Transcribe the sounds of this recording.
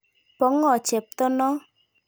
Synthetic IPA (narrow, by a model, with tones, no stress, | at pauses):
pɔ˨˦ŋɔ˦˨t͡ʃɛ˨p̚t̪ɔ˦nɔ˦